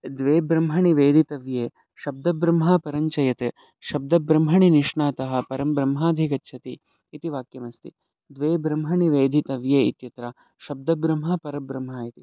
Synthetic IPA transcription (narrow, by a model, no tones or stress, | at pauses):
d̪ʋeːbɾɐmɦɐɳiʋeːd̪ʱit̪ɐʋjeː | ʃɐb̚d̪ɐbɾɐmɦaːpɐɾɐɲt͡ʃɐjɐt̪eː | ʃɐb̚d̪ɐbɾɐmɦɐɳiniʂɳaːt̪ɐɦɐ̆pɐɾɐmbɾɐmɦaːd̪ʱikɐtːʃʰɐt̪iː | t̪iʋaːkjɐmɐst̪i | d̪ʋeːbɾɐmɦɐɳiʋeːd̪ʱit̪ɐʋjeːit̪jɐt̪ɾɐ | ʃɐb̚d̪ɐbɾɐmɦɐpɐɾɐbɾɐmɦaːjit̪i